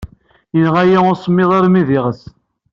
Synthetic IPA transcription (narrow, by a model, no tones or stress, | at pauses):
jənʁæjaoɾsˤmːɪðˤɑɾmiðiʁəs